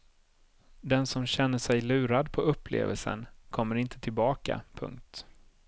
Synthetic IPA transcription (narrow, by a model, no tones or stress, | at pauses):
d̪ɛnsɔmɕɛn̪ːəʂɛjlʉ̟ːɾad̪pʰɔɵpːlḛːvəlsə̰nkʰɔmːəɾɪnt̪ʰət̪ʰɪlbɑːka̰pʰɵ̰ŋk̚t̪